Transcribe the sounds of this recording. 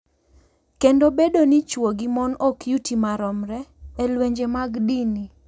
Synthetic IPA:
kendobedonit͡ʃwoɡimɔnɔkjutimaɾɔmɾɛːlweɲd͡ʒemaɡdini

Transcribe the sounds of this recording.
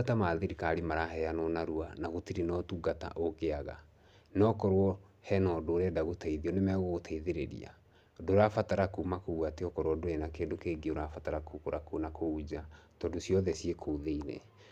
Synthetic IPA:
atamaðiɾikaɾimaɾaɦɛanɔnaɾuanaɣotiɾenɔtuɡata̰ʔoɣeaɣa̰ | nɔkɔɾwɔ | hɛnɔdoɾɛdaɣotaiðiɔnemɛɣoɣotʰaiðeɾḛɾḭa̰ | doɾafataɾakomakoɣwateɔkɔɾwɔdoenakendokeɡeoɾafataɾakokoɾakonakoud͡ʑatɔndosijɔðɛsiekʰoðeiɾɛ̰

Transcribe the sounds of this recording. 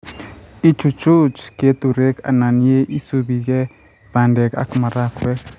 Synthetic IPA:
it͡ʃut͡ʃut͡ʃket̪uɾeka̰nanieʔisubiɡe | pandɛka̰kmaɾakwek

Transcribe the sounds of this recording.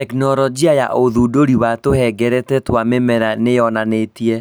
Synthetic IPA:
ɛknɔɾɔd͡ʒiaja̰ʔoðudoɾiwatohɛɡɛɾɛtɛtwamemɛɾanejɔnanetiɛ

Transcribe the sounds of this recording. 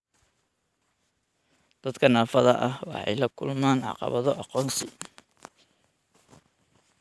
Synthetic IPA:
d̪̥ɐd̪kʰɐnaːfɐðɐʔɐhwɑħɑ̰jlɐkʰʊlmaːnʕɑ̰qɑ̰βɐðɔʔɑqɔːnsɪ

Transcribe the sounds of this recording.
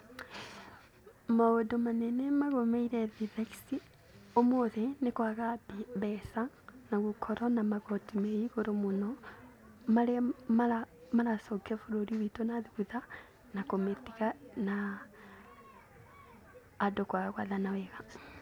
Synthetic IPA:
maodomanɛnɛmaɣomeiɾɛðiðakisi | omoðɛnekwaɣabbɛsa | naɣukʰɔɾɔnamaɣɔtimeiɣoɾomonɔ | maɾemaamaɾasɔkɛfoɾoɾiwitonaðiɣuða | nakometiɣana | dokwaɣaɣwaðanawɛɣa

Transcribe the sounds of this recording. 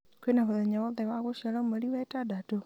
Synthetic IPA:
kwenaβoðɛɲaβɔðɛβaɣoʃiaɾameɾiwɛtadato

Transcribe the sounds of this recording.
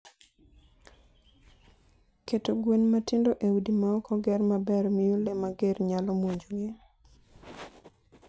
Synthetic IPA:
ketoɡwenmatɪndoʔewudimaɔkʰɔɡɛrmabɛɾmiolemaɡerɲalɔmwoɲd͡ʒoɡɪ

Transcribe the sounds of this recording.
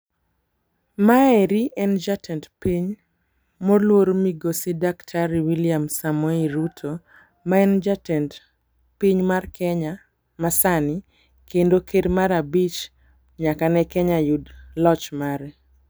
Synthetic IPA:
maɛɾiʔɛnd͡ʒatʰɛntpiɲ | molwoɾomiɡosidaktʰaɾiwiliamsamɔiɾutʰo | maɛnd͡ʒatɛnt | piɲmarkɛɲa | masani | kendokedmaɾabit͡ʃ | ɲakanɛkɛɲajudlɔt͡ʃmaɾɛ

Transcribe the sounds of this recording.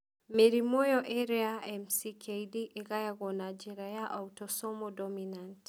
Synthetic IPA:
meɾimɔjɔʔɛɾiaɛmsikʰejdiʔeɣajaɣɔnad͡ʒɛɾajaʔautɔsɔmɔdɔminant

